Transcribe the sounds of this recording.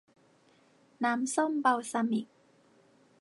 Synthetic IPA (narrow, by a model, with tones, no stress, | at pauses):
naː˨˦˥msɔ˥˩mpa˧˩wsa˧mi˨˩k̚